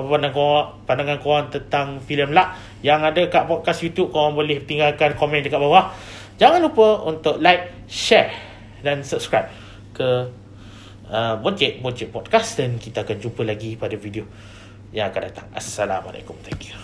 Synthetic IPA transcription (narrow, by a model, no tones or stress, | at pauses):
papandaŋkoʔpandaŋankoant̪ənt̪aŋfiləmlaʔ | jaŋadakaʔpɔd̚kasjut̪jup̚kowaŋbolɪht̪iŋɡalkankomɛ̃ndəkat̪ʔ̚bawaʔ | d͡ʒaŋanlupəunt̪ʊʔlajk̚ | ʃɛɹ | dansəp̚skɹajp̚ | kə | əbɔd͡ʒɛt̪̚bɔd͡ʒɛt̪̚pɔd̚kasdankit̪aːkand͡ʒupəlaɡipadavidio | jaŋakandat̪aŋa̰sala̰ma̰la̰kumt̪akju̥